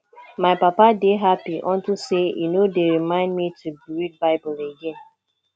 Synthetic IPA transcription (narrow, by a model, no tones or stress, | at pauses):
maɪpapadeɦapiʔɔ̃ntisejṵnodeɹimãɪ̃ndmitʰubɹid̚baɪbʊleɡẽn